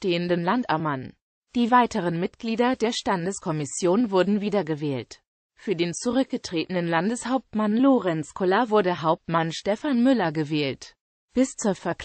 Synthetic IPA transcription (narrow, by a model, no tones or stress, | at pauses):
ʃteːəndənlantaman | d̥iːvaɪtəʁ̞ənmɪtɡ̥liːdɐdeːɐʃtandəskʰɔmɪsjoːnvʊɐdn̩viːdɐɡəvɛːlt | fyːɐdeːnt͡suʁ̞ʏk̚ɡ̥ətʁ̥eːtənənlandəshaʊp̚tmanloːʁɛnskʰɔlɐvʊɐdəɦaʊp̚tmanʃtɛfanmʏlɐɡəvɛːlt | b̥ɪst͡suːɐfɛɐk